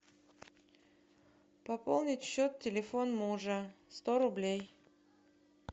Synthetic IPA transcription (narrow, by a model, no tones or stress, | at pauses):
pɐpolˠnʲɪtʲɕːot̪tʲɪlʲɪfonmuʐəst̪oɾʊblʲej